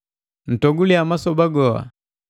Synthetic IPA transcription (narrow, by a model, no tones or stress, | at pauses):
n̩tɔɡuliamasɔbaɡɔa̰